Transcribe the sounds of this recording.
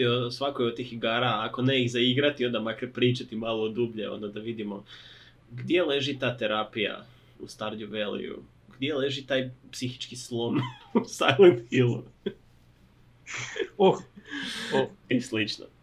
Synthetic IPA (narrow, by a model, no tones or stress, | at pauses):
osʋakojot̪ixiɡaːɾaːko̞neiɣzaiɡɾat̪io̞nd̪amakɾpɾiːt͡ʃat̪imaːlˠoːd̪ubʎḛo̰nd̪ad̪aʋid̪imo̞ | ɡd̪je̞le̞ʒit̪aːt̪e̞ɾaːpija̰ | ust̪aɾd̪uʋelḭṵ | ɡd̪je̞le̞ʒit̪aːjpsixi̥t͡ʃkislˠo̞nusa̰jlent̪filˠu | o | islit͡ʃno̰